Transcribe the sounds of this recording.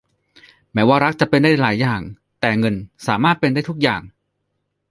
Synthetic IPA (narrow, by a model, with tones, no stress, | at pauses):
mɛː˩˦˥waː˥˩ɾa˦˥k̚t͡ɕa˨˩pe˧nda˥˩jlaː˩˦jːaː˨˩ŋ | t̪ɛː˨˩ŋɤ˧nsaː˩˦maː˥˩t̪̚pe˧nda˥˩t̪ʰu˦˥k̚jaː˨˩ŋ